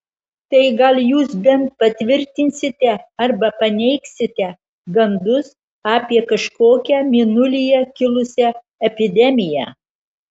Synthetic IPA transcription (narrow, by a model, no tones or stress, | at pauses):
t̪ɐɪɡɐlʲjuːsbʲɛnt̪̚pɐt̪ʲʋʲɪɾʲt̪ʲɪnʲsʲɪt̪ʲɛɐɾbɐpɐnʲɛɪksʲɪt̪ʲɛ | ɡɐnd̪ʊs | ɑːpʲiɛkɐʃkoːkʲæmʲinʊlʲɪjɛkʲɪlˠʊsʲɛ | ɛpʲɪd̪ʲɛmʲɪjæ̰ː